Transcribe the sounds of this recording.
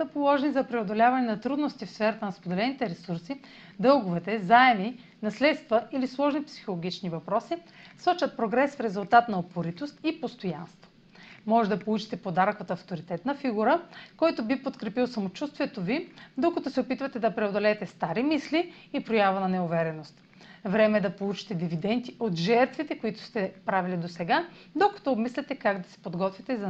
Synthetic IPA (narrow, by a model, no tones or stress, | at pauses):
səpolˠɔʒɛnizɐpɾɛod̪olʲavɐnɛnɐt̪ɾud̪nost̪ifsfɛɾɐt̪ənɐspod̪ɛlɛnit̪ɛɾɛsuɾsi | d̪ɤlˠɡʊvɛt̪ɛzaɛmi | nɐslɛt̪st̪vɐilislˠɔʒnipsi̥xolˠoɡ̟ʲit͡ʃnivɐpɾɔsi | sˠɔt͡ʃɐt̪̚pɾoɡɾɛsfɾɛzʊlˠt̪at̪nɐopoɾit̪ost̪ipost̪oja̰nst̪vo̥ | mɔʒɛd̪ɐpolˠut͡ʃi̥t̪ɛpod̪aɾkvət̪ːft̪oɾit̪ɛt̪nɐfiɡuɾəkɔjt̪obipot̪kɾɛpilˠsɐmot͡ʃust̪viɛt̪ovid̪okɐt̪ɔsɛopit̪vɐt̪ɛd̪ɐpɾɛod̪olɛːt̪ɛst̪aɾimisli | ipɾojavɐnɐnɛʊvɛɾɛnost̪ | vɾɛmɛːd̪ɐpolˠut͡ʃi̥t̪ɛd̪ivid̪ɛnt̪iʔot̪ʒɛɾt̪vit̪ɛkoit̪ʊ̥st̪ɛpɾavilid̪osɛɡa | d̪okɐ̥t̪ɔːbmislɛt̪ɛkaɡd̪ɐ̥sɛ̥pod̪ɡɔt̪vʲit̪ɛzɐ